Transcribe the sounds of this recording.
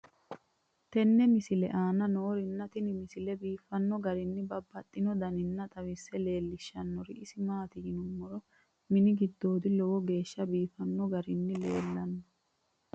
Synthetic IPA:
t̪ɛnːɛmɪsɪlɛ̰ʔaːnɐno̞ːɾɪnːɐt̪ɪnɪmɪsɪlɛbiːfːɐnːɔɡɐɾɪnːɪbɐbːɐt̪ʼːɪnɔd̪ɐnɪnːɐt̪ʼɐwɪsːɛle̞ːlːɪʃːɐnːɔɾɪʔɪsɪmaːt̪ɪjɪnʊmːɔɾɔ | mɪnɪɡɪd̪ːo̞ːd̪ɪlɔwɔɡe̞ːʃːɐbiːfɐnːɔɡɐɾɪnːɪle̞̰ːlːɐnːɔ̥

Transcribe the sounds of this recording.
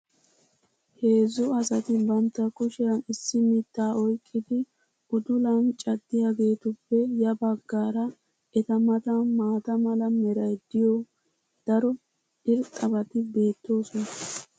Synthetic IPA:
he̞ːzʊɐsɐt̪ɪbɐnt̪ːɐkɔʃɛɾɐnɪsːɪmɪt̪ːaːɔjkʼːɪd̪ɪ | ʔʊd̪ʊlɐnt͡ʃʼɐd̪ːɪjaːɡe̞ːt̪ʊpːɛjɐbɐɡːaːɾɐ | ʔɛt̪ɐmɐt̪ɐmaːt̪ɐmɐlɐmɛɾɐjd̪ɪjɔ | d̪̥ɐɾɔ | ɪɾtʼːɐbɐt̪ɪbe̞ːt̪ːo̞ːsɔnɐ

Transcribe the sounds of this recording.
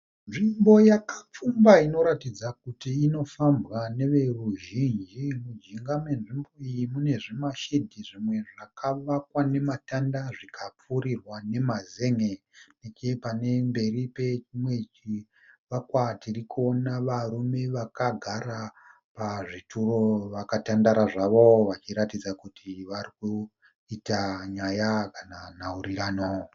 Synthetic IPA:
nʐimbo̞jakap͡fumbaino̞ɾatid͡zakutiːno̞fambɣane̞ʋe̞ruʒind͡ʒimud͡ʒiŋɡame̞nʐimbo̞ijimune̞ʐimaʃedʱiʐimwe̞ʐakaʋakwane̞matandaʐikʰap͡fuɾirwane̞maze̞ŋe | nekepane̞mbe̞ripet͡ʃimwe̞t͡ʃi | ʋakwatirikuonaʋarume̞ʋakaɡʱaɾa | paʐitʰuro̞ʋakatandaɾaʐaʋo̞ʋat͡ʃiɾatid͡zakutʰiʋariku | itaɲajakananaurirano

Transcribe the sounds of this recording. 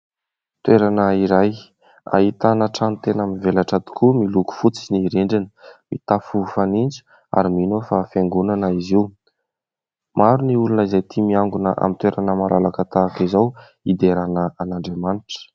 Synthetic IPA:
t̪weɾanəiɾaj | a̰it̪anəʈ͡ʂanut̪enaminvelaʈ͡ʂat̪i̥kʰumiluku̥fut͡siniɾeɳɖ͡ʐinəmḭt̪afufanind͡ʒu̥ | a̰ɾiminofafeŋɡunanəiziw | maɾuniulunəizajt̪ʰimiaŋɡunəʔa̰mit̪weɾanəmalalakat̪aːkizaw | id̪eɾanəanaɳɖ͡ʐemaniʈ͡ʂə̥

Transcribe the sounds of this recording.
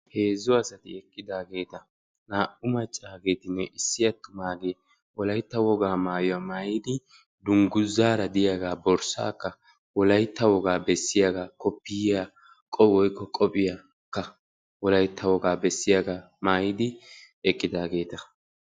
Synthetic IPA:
he̞ːzːɔɐsɐt̪ɪ̰ɛkʼːɪd̪aːɡe̞ːt̪ɐ | naːʔʊmɐt͡ʃʼːaːɡeːt̪ɪnːɛʔɪsːɪjɐt̪ːʊmaːɡe | wɔlɐjt̪ːɐwɔɡaːmaːjʊwamaːjɪd̪ɪ | d̪ʊŋɡʊzːaːɾɐd̪ɪjaɡaːbɔɾsa̰ːkːɐ | wɔlɐjt̪ːɐwɔɡaːbɛsːɪjaɡaːkɔpːɪjja | kʼɔwɔjkːɔkʼɔpʼɪja | kːɐ | wɔlɐjt̪ːɐwɔɡaːbɛsːɪjaɡaː | maːjɪd̪ɪ | ɛkʼːɪd̪aːɡe̞ːt̪ɐ

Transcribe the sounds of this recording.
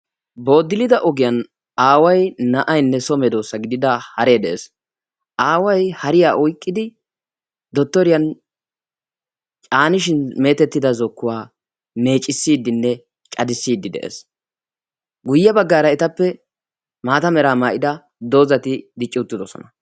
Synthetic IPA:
bo̞ːd̪ɪlɪd̪ɐʔɔɡɪjɐn | aːwɐjnɐʔɐjnːɛsɔmɛd̪o̞ːsːɐɡɪd̪ɪd̪ɐhɐɾe̞ːd̪ɛʔeːs | ʔaːwɐjhɐɾɪjaːʔɔjkʼːɪd̪ɪ | d̪ɔt̪ːɔɾɪjɐn | t͡ʃʼaːnɪʃ̬ɪnme̞ːt̪ɛt̪ːɪd̪ɐzɔkːʊwaː | me̞ːt͡ʃʼːɪsːiːd̪ːɪnːɛ | t͡ʃʼɐd̪ɪsːiːd̪ːɪd̪ɛ̰ʔḛːs | ɡʊjːɐbɐɡːaːɾɐɛt̪ɐpːɛ | maːt̪ɐmɛɾaːmaːʔɪd̪ɐ | d̪o̞ːzɐt̪ɪd̪ɪt͡ʃʼːɪʊt̪ːɪd̪ɔsɔ̰nɐ

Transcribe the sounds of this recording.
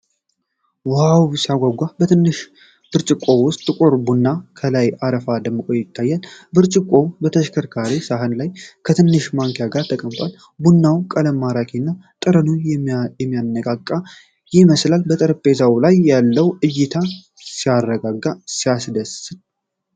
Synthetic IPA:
wawsiaɡʷaɡʷabət̪ʰɨnːɨʃ | b̥ɨɾt͡ʃʼɪkʼːo̞wʊst̪ʼːɨkʷʼuɾbunːakʰəlajaɾəfad̪əmːɨkʼo̞jɪt̪ːajːalbɨɾt͡ʃʼɪkʼːo̞bət̪ʰəʃkʰəɾkʰaɾisaɦɨnlajkʰət̪ʰɨnːɨʃmaŋkjaɡaɾt̪ʰəkʼəmt̪ʼal | bunːawkʼələmːaɾakʰenːat̪ʼɨɾənunjɛmːijanːəkʼakʼːa | jɪməslalbət̪ʼəɾpʼːe̞zawlajːalːəwɨjːɪt̪ʰa | sijarːəɡaɡːasijasd̪əsɨn

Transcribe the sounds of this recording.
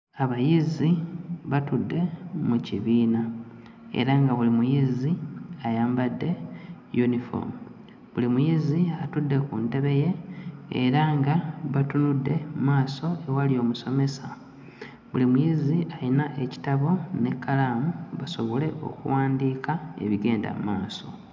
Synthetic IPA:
aβajiziβatudːe̞muciβiːna | e̞̰ɾaŋɡaβulimujiziajaːmbadːe̞ | junifo̰mu | βulimujiziatudːe̞kunte̞βe̞je̞̰ː | ɾaŋɡaβatunudːe̞mmaːso̞e̞walio̞ːmuso̞me̞sa | βulimujiziʔalinaʔe̞ci̥taβo̞ne̞kːalaːmuβaso̞βo̞le̞ʔo̞̰kṵwaːndiːkae̞̰βiɡe̞ːnda̰mṵmaːso̞̰

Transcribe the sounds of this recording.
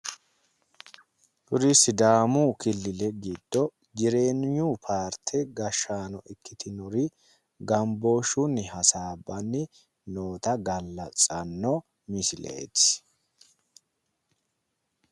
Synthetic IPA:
bʊɾɪsɪd̪aːmukɪlːɪlɛɡid̪ːɔ | d͡ʒɪɾe̞ːnɪɲuːpʰaːɾt̪ʰɛɡɐʃːaːnɔʔɛkʰːɪt̪ʰɪnɔɾɪ | ɡɐmbo̞ːʃʊnːɪhɐsaːbːɐnːɪ | no̞ːt̪ɐɡɐlːɐt͡sʼɐnːɔ | mɪsɪlḛːt̪

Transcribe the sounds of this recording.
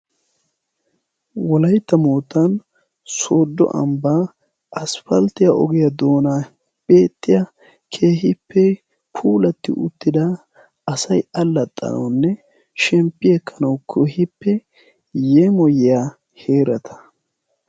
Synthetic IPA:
wɔlɐjt̪ːɐmoːt̪ːɐn | soːd̪ːɔ̰ʔɐ̰mbaː | ʔɐsfɐlt̪ɪjɐʔɔɡɪjɐd̪o̞ːna | b̥e̞ːt̪ʼːɪjɐ | kʰe̞ːhɪpːɛ | pʰuːlɐt̪ːɪ̰ʔʊt̪ːɪd̪ɐ | ɐsɐjɐlːɐt̪ʼːɐ̰nɐ̰wnːɛ | ʃɛmpʼːɪjɛkʰːɐnɐwkʰohɪpːɛ | jemɔjɪja | he̞ːɾɐt̪ʰɐ̥

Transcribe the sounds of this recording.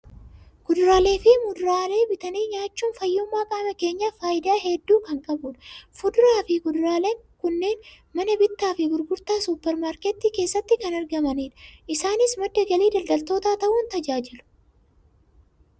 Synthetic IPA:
ɡ̥ʊd̪ɾaːle̞ːfɪmʊd̪ɾaːle̞ːbɪt̪ɐniːɲaːt͡ʃːuːnfɐjːʊmːaːkʼaːmɐke̞ːɲːafaːʔɪd̪aːɦɛd̪ːuːkɐŋkʼɐbʊːᶑfʊd̪ɾaːfɪɡʊd̪ʊɾaːleːŋkʊnːe̞ːn | mɐnɐbɪt̪ːaːfɪɡʊɾɡʊɾt̪aːsʊpːɛɾmaːɾkɛt̪ːiːke̞ːsːɐt̪ːɪkɐnɐɾɡɐmɐneːᶑɐʔɪsaːnɪsmɐd̪ːɐɡɐliːd̪ɐlɡ̪ɐlt̪o̞ːt̪aːt̪ɐʔʊːnt̪ɐd͡ʒaːd͡ʒɪlʊ̥

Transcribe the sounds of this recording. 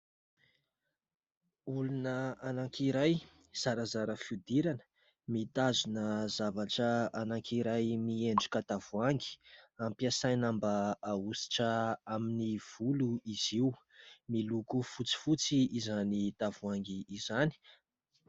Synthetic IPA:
ulunəanaŋkʰiɾaj | z̥aɾazaɾəfud̪iɾanə̥ | mit̪azunəzavaʈ͡ʂəanaŋkiɾajmieɳɖ͡ʐukat̪av̥uaŋɡi̥ampiasajnambaausi̥ʈ͡ʂəaminiv̥uluiziu | milukufut͡si̥fut͡siːzanit̪avuaŋɡiːzani̥

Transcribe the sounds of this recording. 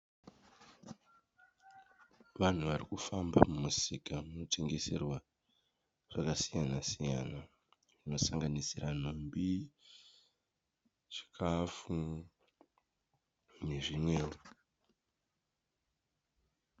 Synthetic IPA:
ʋan̤uʋarikufambamumusikamuno̞te̞ŋɡe̞se̞rwa | ʐ̥akasijanasija̰na | ʐino̞saŋɡanisiran̤ombi | t͡ʃi̥kʰafu | ne̞ʐimwe̞ːro

